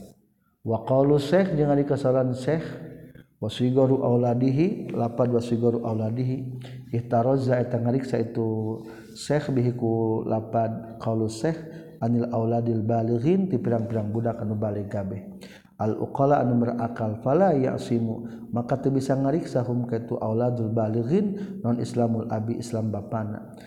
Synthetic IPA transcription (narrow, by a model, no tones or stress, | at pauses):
waqalusɛhd͡ʒəŋadikasalansɛh | wasuiɡɔɾuʔawladiɦilapad̚wasuiɡɔɾuʔawladiɦiiht̪aɾɔzaɛt̪aŋaɾiksait̪u | sɛxbiɦikulapad̚kalusɛh | anilʔawladilbaliɣint̪ipiɾaŋpiɾaŋbudakanubalɛɡabɛh | ʔalʔṵqɔlaʔanumərʔakalfalaja̰ʔsimu | makat̪əbisaŋaɾiksaɦumkait̪uʔawladalbaliɣinːɔnḭslamulʔa̰biʔḭslambapana̰